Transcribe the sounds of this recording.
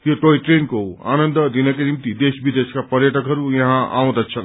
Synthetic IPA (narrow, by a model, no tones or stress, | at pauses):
joʈoiʈɾenkoa̰nənd̪d̪inakenimt̪id̪esbid̪eskapəɾjəʈʰʌkɦʌɾujʌɦãa̰w̃d̪at͡sʰʌn